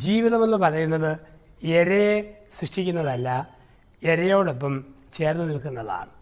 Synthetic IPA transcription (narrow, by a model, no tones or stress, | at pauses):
d͡ʑiːʋiðɐmonːɨpɐrɐjunːɐðɨe̞ɾesriʂʈikʲːunːɐðɐlːɐ | e̞ɾɐjoːɽop̬ːɐm | t͡ɕe̞ːrnːɨnilkunːɐða̰ːɳɨ